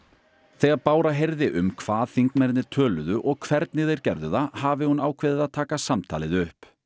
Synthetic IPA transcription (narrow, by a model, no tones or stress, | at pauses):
θɛɣaðpaːwɾaɦejɾðɪʔʏmkʰv̥aːðθiŋkmɛɾt̪ɪt̪ʰœːlʏðʏʔɔɣkʰvɛɾt̪nɪðθejɾ̥cɛɾðʏðahaːvɪhunaːwkʰvɪːðɪðaðt̪ʰaːkasamt̪ʰaːlɪðʏhp